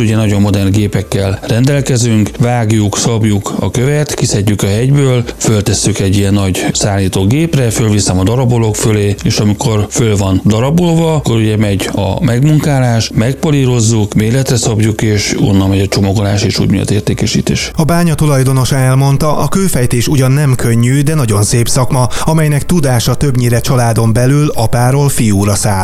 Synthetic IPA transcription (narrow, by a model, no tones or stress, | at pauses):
uɟɛnɒɟo̞mːo̞d̪ɛrnɡeːpɛkːɛlrɛnd̪ɛlkɛzyŋkvaːɡjuksɒbjukɒ̰køvɛt̪kisɛɟːykɒɦɛɟbøːlfølt̪ɛsːykɛɟːiɛnːɒɟsaːlːiːt̪oːɡeːprɛfølvisɛmɒd̪ɒɾɒbolo̞kføleːeːʃɒmikʰo̞rfølvɒnd̪ɒɾɒbolvɒkːo̞ɾuɟɛmɛɟɒ̰mɛɡmuŋkaːlaːʃmɛk̚poliɾo̞zːukmeːlɛt̪rɛsɒbjukeːʃo̰nːɒlmɛɟɒt͡ʃo̞moɡola̰ːʃeːʃṵːɟmḭjɔ̰t̪eːrt̪eːkɛʃḭːt̪ḛːʃɒbaːɲɒt̪ulɒjd̪o̞no̞ʃanɛlmo̞nt̪ɒʔɒkøːfɛjt̪eːʃuɟɒnːɛmkʰø̞ɲːyːd̪ɛnɒɟo̞nseːpsɒkmɒɒmɛjnɛk̚t̪ud̪aːʃɒt̪ø̞bɲiɾɛt͡ʃɒlaːd̪o̞mbɛlylɒpaːɾoːlfijuːɾɒsaːl